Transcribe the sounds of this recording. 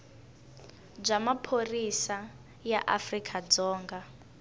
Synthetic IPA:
b͡ʐamapʰorisa | jaʔafrikʰad͡zɔːŋɡa

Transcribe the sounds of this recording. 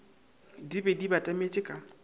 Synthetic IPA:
dibɛdibatʼamet͡ʃʼɪkʼa

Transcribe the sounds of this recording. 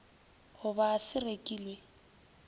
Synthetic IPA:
hʊbasɪrekʼiːlwe

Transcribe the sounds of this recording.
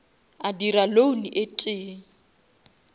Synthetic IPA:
adiɾaloniʔetʼɪːŋ̩

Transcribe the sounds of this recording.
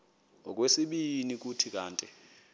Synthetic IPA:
ɔk̬ʼwesiɓinik̬utʰik̬ʼaːntʼɛ

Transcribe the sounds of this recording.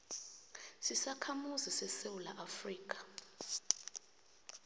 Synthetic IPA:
sisakʰamuzisɛsewula̰ʔafriːk̬ʼḁ

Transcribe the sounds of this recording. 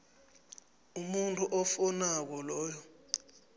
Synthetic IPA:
umuntʼuʔɔfɔnak̬ɔlɔːjɔ

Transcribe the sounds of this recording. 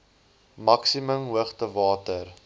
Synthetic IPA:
mɐksiməmɦuəχtəvɑːtər

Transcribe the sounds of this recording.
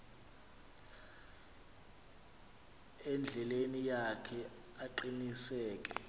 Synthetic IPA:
ɛnd͡ɮʱɛlenijakʰɛ | aǃinisɛːkʼɛ

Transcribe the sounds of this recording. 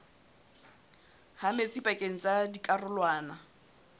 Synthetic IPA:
hamet͡sʼipʼakʼeŋ̩t͡sʼadikʼarʊlwaːna

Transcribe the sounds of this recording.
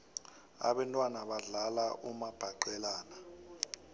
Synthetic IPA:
a̰ɓɛntʼwanaɓaɮalaʔumab̥ʱaǃɛlaːna

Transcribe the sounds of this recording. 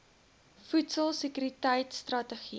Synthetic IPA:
futsəlˠsəkyɾitəjtstrɐtəχi

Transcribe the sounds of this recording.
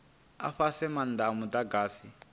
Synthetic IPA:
a̰ɸasɛmandamutaɡaːsi

